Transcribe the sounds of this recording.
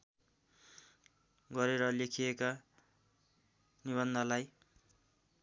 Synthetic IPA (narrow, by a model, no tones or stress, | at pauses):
ɡʌɾeɾʌlekʰijeka | niβʌnd̪ʱʌlaj